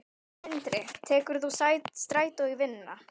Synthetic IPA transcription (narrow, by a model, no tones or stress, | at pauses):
ɪnt̪ɾɪt̪ʰɛːkʏɾ̥θusajtst̪ɾaːjt̪owivɪnːa